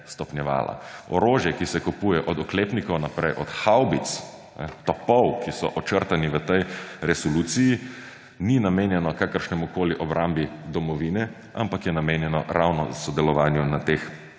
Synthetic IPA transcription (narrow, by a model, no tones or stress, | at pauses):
st̪ɔpnjɛʋa̰ːla̰ɔɾoːʒjɛkisɛkupujɛʔɔd̪ɔkleːpnikɔwnapɾɛjʔɔt̪xawbit̪s | ɛt̪ɔpɔwkisɔ̰ʔɔt͡ʃəɾt̪aniʋət̪ɛjɾɛsɔluːt̪siji | ninameːnjɛnɔkakəɾʃnɛmukoːliʔɔbɾʔambid̪ɔmɔʋiːnɛ | a̰mpakjɛnameːnjɛnɔ̰ɾawnɔ̰sɔd̪ɛlɔʋaːnjunat̪eːx